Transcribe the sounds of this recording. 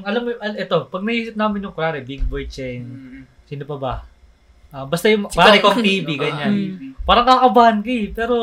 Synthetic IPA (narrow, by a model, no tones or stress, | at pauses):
ɐlamːoɐʔɛt̪o̞pɐɡ̚mɐhiːsɪp̚naːmɪnjʊŋkɾaːɾɛbiɡ̚bojt͡ʃɛn | siːnopɐbɐ | ʔɐbɐst̪ajʊŋwɐlaɪkɐŋt̪iːbɪɡɐnɲanpaːɾɐŋkakɐbaːhɐnkɐɪpɛːɾo